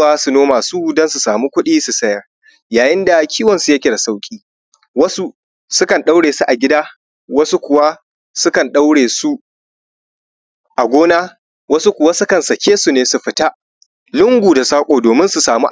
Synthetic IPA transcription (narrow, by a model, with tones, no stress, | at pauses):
aː˦su˨noː˦maː˨su˦dɐ˦nsu˨saː˨mu˦kʷʊ˦ɗiː˦su˨sɐ˦ja˨ | jaː˨jɪ˦nda˨kʲʰiː˦wɐ˨nsu˨ja˦kʲɪ˦ɽa˨sa˦wkʲʼiː˦ | wɐ˦su˦ | sʊ˦kɐ˨nɗa˦wɽeː˨su˦ʔa˨ɡʲɪ˦daː˦ | wɐ˦su˦kʷʊ˨wa˦ | sʊ˦kɐ˨nɗa˦wɽeː˨su˦ | ʔa˨ɡʷoː˦naː˦ | wɐ˦su˦kʷʊ˨wa˦sʊ˦kɐ˨nsɐ˨kʲeː˦su˨neː˨su˨ɸɪ˨ta˦ | lʊ˦ŋɡʷuː˨da˨saː˦kʷʼoː˨doː˨mɪ˦nsu˨saː˨mṵ˦ʔ